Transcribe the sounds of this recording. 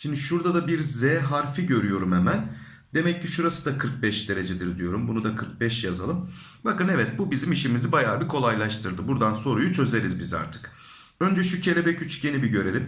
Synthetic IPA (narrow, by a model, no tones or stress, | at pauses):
ʃimnd̪iʃuɾd̪ad̪abiɾzɛɦaɾfiɟø̞ɾyjo̞ɾumemæn | d̪e̞mɛcːiʃuɾasɯd̪akʰɯɾk̚bɛʃd̪e̞ɾe̞d͡ʒed̪iɾd̪ijo̞ɾumbunud̪akʰɯɾk̚bɛʃjazalˠɯm | bakɯnevɛt̪̚bubizimiʃimizibajaːbikʰo̞lˠajlˠaʃt̪ʰɯɾd̪ɯbuɾd̪anso̞ɾujut͡ʃʰø̞ze̞ɾizbiza̰ɾt̪ʰɯ̥k | ø̞nd͡ʒɛʃucʰelʲe̞bɛcʰyt͡ʃɟe̞nibiɟø̞ɾe̞lʲim